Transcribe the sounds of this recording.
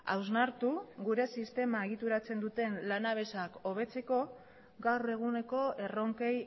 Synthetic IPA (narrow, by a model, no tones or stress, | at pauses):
a̰wznaɾt̪uɣuɾe̞sist̪e̞maeɣit̪uɾat͡se̞nd̪ut̪e̞nlanaβ̞e̞sako̞β̞e̞t͡se̞ko̞ | ɡawre̞ɣ̞une̞ko̞e̞ro̞ŋkej